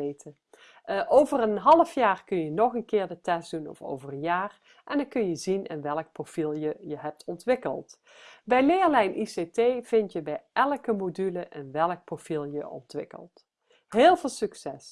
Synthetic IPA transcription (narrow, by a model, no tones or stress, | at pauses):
ejtʰə | ʔowvərənɦɑlˠəfjaːrkɵnjənɔχənkɪːɹdətɛsdunɔ̰fo̰wvərənjaːr | ʔɛndəkɵnjəzinɪnʋɛlək̚profilˠjəjəɦɛp̚tʰɔntʋɪkə̰lˠt | bɛjlɪːɹlɛjnʔisetejv̥ɪntjəbɛjʔɛlˠkəmodyləʔɪnʋɛlˠək̚profilˠjəʔɔ̰ntʋɪkə̰lˠt | ɦeːlˠveːlˠsyksɛs